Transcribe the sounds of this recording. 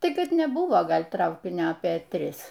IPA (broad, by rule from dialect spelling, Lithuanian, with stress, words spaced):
ˈtɐɪ ˈkɐt nʲɛˈbʊʋoː ˈɡɐlʲ ˈtrɐʊkʲɪnʲoː ɐpʲeː ˈtʲrʲɪs